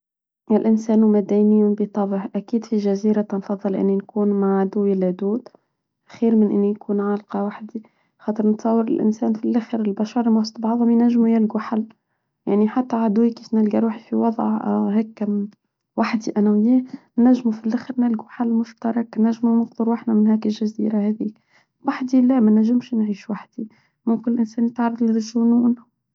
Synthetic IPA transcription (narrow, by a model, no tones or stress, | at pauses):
ɪlʔɪnsæːnumæd̪ænɪjʊbit̪ˤɑbəʕʔækiːd̪fiʒæziːɾat̪ɑnfɑðˤːɨlʔɪ̰nːinkuːnmaʕʕad̪ʊwilæd̪uːd̪ | xiːɾmɪnʔɪ̰nːijkʰuːnʕalqɑwaħd̪i | xɑːt̪ˤɨɾnt̪sˤɑwːəɾɪ̰lʔɪ̰nsæːnfilʔaxɾɪlbaʃɑɾˤmast̪ˤbɑʕðˤʊmijnæʒːmujɪlɡuħalː | ja̰ʕniħat̪ːæʕad̪uwikiːfnælɡaɾuːħifiwɑðˤʕ̰hæːkːæm | waħd̪iʔænæwɪjæːnːæʒːmufilʔaxɾnælɡuħalːmʊʃt̪ɑɾˤɑknæʒːmumʊfd̪ˤɑɾwaħnæmɪnhæːkɪlʒæzḭːɾahæːðiːk̚ | waħd̪ilæmænæʒːɪmʃnʕiːʃwaħd̪̥i | mʊmkɪnɪlʔɪnsæːnjɪt̪ʕɑrˤːɑdˤlʒʊnuːn